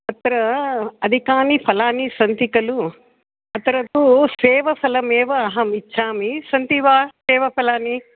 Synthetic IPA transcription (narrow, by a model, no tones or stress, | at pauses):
ɐt̪ɾɐɐd̪ʱikaːnipʰɐlaːnisɐnt̪ikɐlu | ɐt̪ɐɾɐt̪useːʋɐsʰɐlɐmeːʋɐːɦɐmit͡ʃʰːaːmisɐnt̪iʋaːsɛːʋɐpʰɐlaːni